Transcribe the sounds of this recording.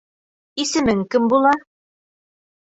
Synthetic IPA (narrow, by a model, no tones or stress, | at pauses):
isɘ̆mɘŋkɵmbulˠɑ